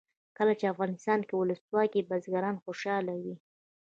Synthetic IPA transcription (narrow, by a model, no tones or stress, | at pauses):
kəlat͡ʃeafɣɑnɪst̪ɑnkewʊləswɑkibazɡaɾɑnxoʃɑlawi